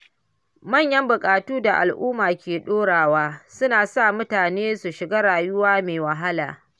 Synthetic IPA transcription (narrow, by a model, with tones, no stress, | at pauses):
mɐ˦˨ɲjɐ˦mbʊ˨kʼaː˨tuː˦da˨ʔa̰˨lʔuː˦maː˨kʲeː˨ɗoː˦ɽaː˨waː˦sʊ˦naː˨sa˦˨mʊ˦taː˨neː˦su˨ʃɪ˨ɡaː˦ɽaː˨jʊ˦waː˦meː˨wɐ˨ɦa˦la̰ː˨